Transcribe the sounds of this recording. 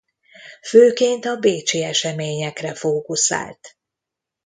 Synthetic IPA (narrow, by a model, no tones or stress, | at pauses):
føːkeːnt̪ɒbeːt͡ʃiɛʃɛmeːɲɛkrɛfoːkusa̰ːlt̪